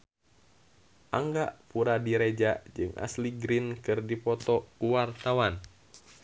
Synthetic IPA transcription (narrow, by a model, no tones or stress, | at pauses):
ʔaŋɡaʔpuɾadiɾed͡ʒad͡ʒɨŋʔa̰sliɡɾinkɨrdipɔt̪ɔkuwart̪awan